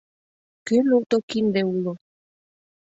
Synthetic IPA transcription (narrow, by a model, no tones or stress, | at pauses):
kenut̪okind̪eulo